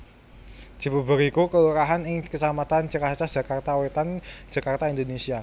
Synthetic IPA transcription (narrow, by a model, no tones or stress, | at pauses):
d̪̥i̤bubʊkikukəluɾaɦanɪŋkəsamat̪ant͡ʃəkat͡ʃad̥ʒ̥a̤kart̪awet̪an̥ʒ̥a̤kart̪aind̪onesia